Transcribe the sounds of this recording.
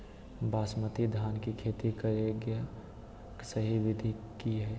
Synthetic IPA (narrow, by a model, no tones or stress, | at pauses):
baːsmət̪id̪ʱaːnkikʰeːt̪ikəɾeɡe | ksəɦiʋɪd̪ʱikiɦɛː